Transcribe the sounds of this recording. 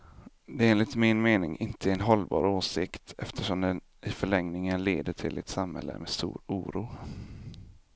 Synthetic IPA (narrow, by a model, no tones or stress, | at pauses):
d̪ɛeːnlɪt̪mɪnmeːnɪŋʔɪnt̪ʰəɛnɦɔlbɑ̰ːɾoːsɪkt̪ʰɛft̪ʰəʂɔmd̪ɛn | ʔɪfœɭɛŋnɪŋənleːd̪əʈʰɪlɛt̪samhɛ̰lːə̰mɛst̪ṵːɾuːɾuː